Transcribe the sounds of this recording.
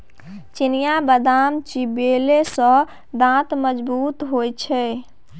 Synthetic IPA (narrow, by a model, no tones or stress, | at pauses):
t͡ʃinijabəd̪amt͡ʃibelesə̃ | d̪ãt̪məd͡ʒbut̪ɦojt͡ʃʰɛ